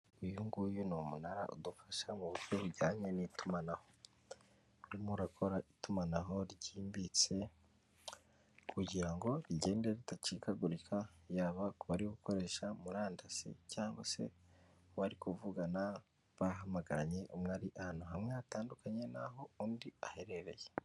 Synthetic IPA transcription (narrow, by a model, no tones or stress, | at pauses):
ujuŋɡujunumunaɾa̰ʔṵdufaʃamuβuɾɟoβuɟaːɲenitumanaho | uɾimuɾakʰo̞ɾaʔitumanaɦo̞ɾɟiːmbit͡se̞ | kuɟiɾaŋɡo̞ɾiɟe̞ːndeitacikaɡuɾikʰajaːβakuβaɾiɡuko̞ɾe̞ːʃamuɾaːndasḭcaːŋɡwase̞̰ | waɾikuvuɡana | βaɦamaɡaɾaɲe̞ʔumŋaːɾiʔahaːnhuɦamŋeataːndukaɲe̞na̰ɦo̞uːndiahe̞ɾe̞ɾe̞̰je